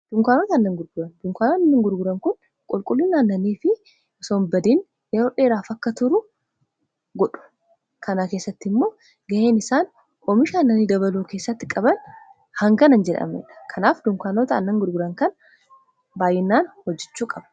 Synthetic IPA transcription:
d̪̥ʊŋkaːnoːt̪ɐːnːɐŋɡʊɾɡʊɾɐnd̪ʊŋkaːnoɐnːɐŋɡʊɾɡʊɾɐŋkʊn | kʼʊlkʼʊlːɪnːaːnːɐniːfɪ | ɔsoːmbɐd̪iːn | jɛɾoːᶑe̞ːɾaːfɐkːɐt̪ʊɾʊ | ɡɔᶑʊ̥ | kʰɐnakeːsːɐt̪ːɪmːo̞ː | ɡɐʔe̞ːnɪsaːn | ʔʼomɪʃaːnːɐniːd̪ɐβɐluːke̞ːsːɐt̪ːɪkʼɐbɐn | hɐŋɡɐnɐnd͡ʒɛᶑɐ̰mḛːᶑɐ̥kʰɐnaːfd̪ʊŋkaːnoːt̪ɐɐnːɐŋɡʊɾɡʊɾɐŋkɐn | baːjɛnːaːnhɔd͡ʒːɛt͡ʃːuːkʼɐb̥ɐ

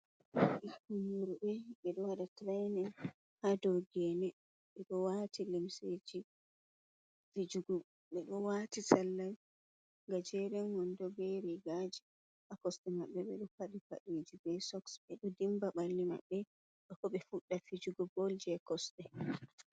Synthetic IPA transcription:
ʔɛhkumuɾuɓɛɓɛɗɔwaɗatɾajnɛ | hadɔɡɛnɛ | ɓɛɗɔwatʰilimsed͡ʒi | fid͡ʒuɡɔ | ɓɛɗɔwaːtisalːaj | ŋɡad͡ʒɛɾɛnwɔndɔɡeɾɛɡad͡ʒi | akɔstɛmaɓːɛɓɛɗɔkaɗifaɗid͡ʒibɛsɔksɓɛɗɔdimbaɓalːima̰ɓːɛ | ɗɔkɔɓɛfuɗːafid͡ʒuɡɔbold͡ʒɛkɔstɛ

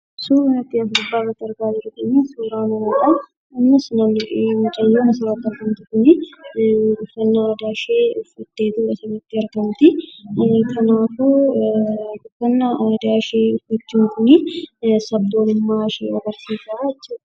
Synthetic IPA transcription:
suːɾnɐt̪ːɪɐɡɾɐbaːrɐt̪ːɐɾɡaːd͡ʒɪɾʊk̪ɐnːisuːɾaːnɐmɐna | ɪmːɐsnɐmmɪt͡ʃʼɐjːoːmɐsɐɾɐt̪ːɪɐɾɡɐmt̪ɪkʊnɪ | ʊfːɐnːɐd̪aʃeːʊfːɐt̪ːeːt̪ʊɐsɐbɐt̪ːɪɐɾɡɐmt̪ɪ | t̪ʰɐnaːfu | ʊfːɐnːɐd̪aːʃeːʊfːɐt͡ʃːuːŋkʊnɪsɐbd̪oːlɪnmaʃḛːwɔɡɐɾsiːsaɛt͡ʃːuːd̪

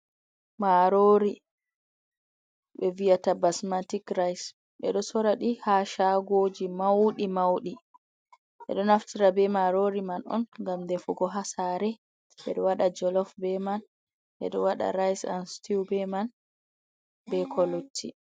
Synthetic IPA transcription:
maɾoɾi | ɓɛvijatabasmatikɾajs | ɓɛɗɔsɔɾaɗihaʃaɡoːd͡ʒimawɗimawɗi | ɓɛ̰ɗɔnaftiɾabɛmaɾoɾimanɔ̰nŋɡamdɛfuɡɔɦasaɾɛ | ɓɛ̰ɗɔwaɗad͡ʒɔlɔfbɛman | ʔɛ̰ɗɔwaɗa̰ɾajsa̰nstiwbɛman | bɛkʰɔlutʰːi

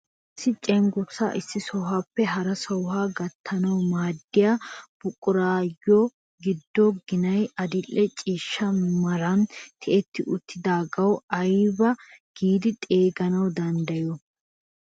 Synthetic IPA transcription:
sːɪt͡ʃʼɛŋɡʊsa̰ʔɪsːɪsɔwhaːpːɛɦɐɾɐsɔwhaːɡɐt̪ʰːɐnɐwmaːd̪ːɪjaːb̥ʊkʼːʊɾaːjːo | ɡɪd̪ːɔɡɪnɐjɐd̪ɪlːɛt͡ʃʼiːʃːɐmɪmɐɾɐnt̪ʰɛʔɛt̪ːɪʔʊt̪ːɪd̪aːɡɐwɐjbɐɡ̥iːd̪ɪt̪ʼeːɡɐnɐwd̪ɐnd̪ɐjɔ

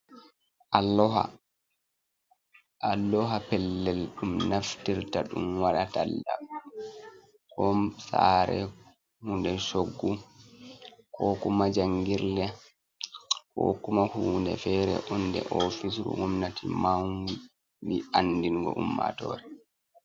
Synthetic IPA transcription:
ʔalːɔɦa̰ | ʔalːɔɦapɛlːɛlɗumnaftiɾtaɗumwaɗatalːda | kɔmsaɾɛ | huːndɛʃoɡːu | kɔkumad͡ʒaŋɡiɾlɛ | kɔ̰kumahuːndɛfɛɾɛ̰ʔɔndɛ̰ʔɔfis̬ɾṵŋɔmnatʰimaŋɡu | biʔandiŋɡɔ̰ʔumːa̰tɔɾɛ

